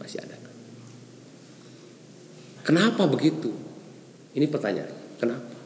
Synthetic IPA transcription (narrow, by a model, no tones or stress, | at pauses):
ma̰sia̰da | kənapabəɡit̪u | inipərt̪aɲa̰nkənapḁ